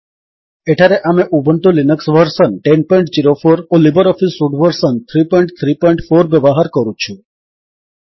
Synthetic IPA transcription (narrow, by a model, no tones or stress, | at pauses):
eʈʰaɾeʔameʔubənt̪ulinəksʋəɾsənʈenpɔiɳʈd͡ʒiɾofoɾolibəɾɔfisfuɖʋəɾsənt̪ʰɾipɔiɳʈt̪ʰɾipɔjɳʈfoɾʋjəʋaɦaɾkəɾũt͡ʃʰũ